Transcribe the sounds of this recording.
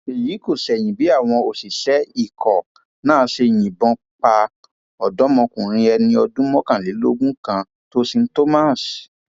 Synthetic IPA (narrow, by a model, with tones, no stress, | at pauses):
e˨jiː˨˦ko˦˨sɛ˨j̃ĩ˨bi˨˦a˦˨w̃ɔ̃˧o˨si˨ʃɛ˨˦i˦˨kʰɔ˨ | nãː˦se˧˨j̃ĩ˨bɔ̃˧ | k͡pa˧ | ɔ˨dɔ˨˦mɔ̃˧kũ˨ɾ̃ĩ˧ɛ˧nĩ˧ɔ˧dũ˦mɔ̃˦kã˨le˨˦lo̰˦ɡũ˦kã˧ | to˦si˧n̩˦to˦ma˦˨s